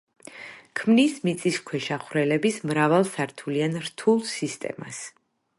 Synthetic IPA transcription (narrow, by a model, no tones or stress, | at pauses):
kʰmnismit̪sʼiskʰwɛʃaχɾɛlɛbismɾavalˠsaɾt̪ʰulianɾt̪ʰulˠsist̪ʼɛ̰ma̰s